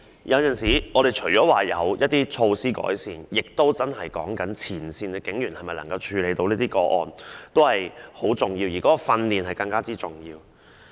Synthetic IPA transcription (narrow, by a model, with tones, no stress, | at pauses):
jʔɐ˨˧wt͡sɐ˨nsiː˨˥ʔɔː˨˧ɾe˨jt͡ʃʰɵ˨˩ɥt͡ʃɔː˨˥waː˨˩jɐ˨˧wjɐ˥t̚t̪iː˥t͡ʃʰo˧wsiː˥kɔ̰ː˨˥jsiː˨njɪ˨k̚t̪o˥wt͡sɐ˥nɦɐ˨˩jkɔ̰ː˨˥ŋkɐ˨˥nt͡sʰiː˨˩nsiː˧nɛ˧kɪ˨˥ŋjyː˨˩nhɐ˨jmɐ˨jlɐ˨˩ŋkɐ˧wt͡ʃʰyː˨˧le˨˧jt̪o˧wliː˥t̪iː˥kɔː˧ʔɔ̰ː˨˩nt̪o˥whɐ˨jho˨˥wt͡sʊ˨ŋjiː˧wjiː˨˩kɔː˨˥kɔ˧fɐ˧nliː˨nhɐ˨˩jkɐ˧ŋkaː˥t͡siː˥t͡sʊ˨ŋjiː˧w